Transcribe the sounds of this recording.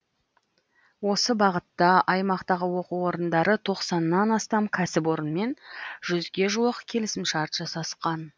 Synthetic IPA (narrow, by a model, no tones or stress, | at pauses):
wo̞səbɑʁət̪ːɑʔɑjmɑqt̪ɑʁəwo̞quwo̞ɾənd̪ɑɾət̪ʰo̞qsɑnːɑnɑst̪ɑmkʲʰæsɪpo̞ɾənme̞nʒ̥ʏzɡʲe̞ʒuəqkʲʰe̞lɪsɪmʃɑɾt̪ʒɑsɑsqɑn